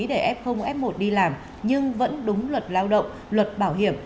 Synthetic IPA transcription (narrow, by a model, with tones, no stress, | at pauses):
ɗe˧˩ʔɛ˦˥p̚xə˧wŋ͡mʔɛ˦˥p̚mo˨˩t̚ɗi˧laː˨˩m | ɲɨ˧ŋvə̰˧˥nɗʊ˨˦ŋ͡mlwə˨˩t̚laː˧wɗə̰˧˨wŋ͡m | lwə˨˩t̚ɓaː˧˩wɦḭ˧˩əm